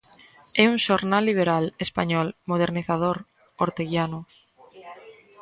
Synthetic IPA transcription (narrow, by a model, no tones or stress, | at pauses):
ɛuŋʃoɾnalːiβ̞eɾalespaɲɔlmoðeɾniθað̞oɾ | oɾt̪eɣjanʊ